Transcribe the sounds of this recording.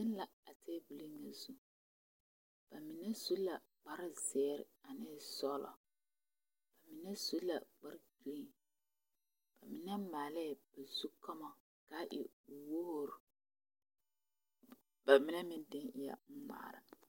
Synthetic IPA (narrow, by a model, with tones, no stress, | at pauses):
dɪ˦n˦la˨a˨tɛː˦bu˨li˦ŋa˨zu˦ | b̥a˨mɪ˨nɛ˦zu˦la˨ | ɡ͡ba˦ɾɪ˦zɛː˦ɾɪ̰˨a˨nɪ˦sɔː˦lɔ̰˨ | b̥a˨mɪ˨nɛ˦su˦la̰˨ɡ͡ba˦ɾɡi˦i˦˨ŋ | b̥a˨mɪ˨nɛ˦maː˨lɛ˦˨b̥a˨zu˦kɔ˦mɔ˨ | kaː˦ʔɪ̰˨wo˦ho˦ɾ | ba˨mɪ˨nɛ˦mɪ˦ndɪ˦ŋɪ˦ja̰˦˨m̩˦ma̰ː˨ɾɪ̰˨